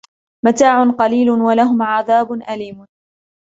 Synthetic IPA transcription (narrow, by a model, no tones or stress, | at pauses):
mat̪aːʕʊnqɑliːlʊnwalaɦʊmʕaðaːbʊnʔaliːmʊ